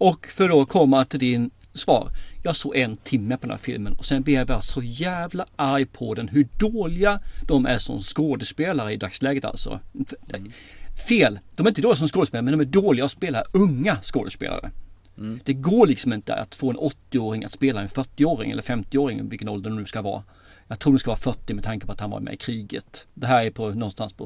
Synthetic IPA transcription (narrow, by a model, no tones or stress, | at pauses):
ɔkfœɖɔkʰɔmːat̪ʰɪld̪ɪn | svɑ̰ːɾjɑːsoːɡɛnt̪ʰɪmːəpʰɔd̪ɛnæ̰fɪ̰lmənɔsɛnbhɛvəɾasɔjæːvlaʔaɾjpʰɔd̪ɛnɦɵɖoːlɪɡad̪̥ɔmæ̰ʂɔ̰mskoːd̪əspeːlaɾəɪd̪akslɛːɡət̪a̰lsɔ̰ | feːld̪ɔmɛɾɪnd̪oːlɪasɔmskoːdəspeːlaɾmɛnd̪ɔmæɖoːlɪɡaɔspeːlaɵŋːaskoːd̪əspḛːla̰ɾə̰ | d̪̥ɛɡoːɭɪksɔmɪnt̪əə̰a̰t̪foːɛnʔɔt̪ːɪoːɾɪŋa̰t̪speːlaɛnfœʈːɪoːɾɪ̰ŋɛlːəɾfɛmt̪ɪoːɾɪŋvɪlkənɔld̪ɛnnʉskavɑ̰ː | jɑːɡt̪ʰɾuːɾdɔmskavɑːfœʈːɪmɛt̪ʰaŋkə̥pʰɔat̪hanva̰ɾmɛ̰ɪkʰɾiːɡə̰t̪d̪ɛɦæːɾæpʰɔnɔnst̪anspʰɔ̰